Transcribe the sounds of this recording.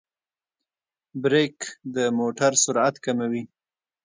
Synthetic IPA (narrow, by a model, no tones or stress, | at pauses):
bɾekd̪əmoʈaɾsʊɾat̪kamawi